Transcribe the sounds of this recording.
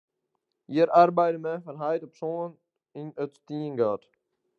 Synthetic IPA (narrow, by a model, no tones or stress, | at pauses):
jiəɾʔarbɛjdəmɛfɑnɦajtɔpson | inətstiənɡaːt